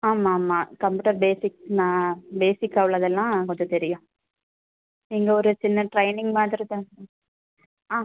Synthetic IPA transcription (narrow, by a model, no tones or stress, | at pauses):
aːmaːmːaːkɐmpjuːʈɐɾbeːsɪknãːbeːsɪkːɐʋɐɭɐðɛlːãːkɔɲd͡ʒɔ̃t̪ɛɾɪjʊ̃ | niːŋɡɐɔɾɯt͡ʃɪnːɐʈɾɐɪnɪ̃ŋɡmaːt̪ɪɾɐðɯ̃ | aː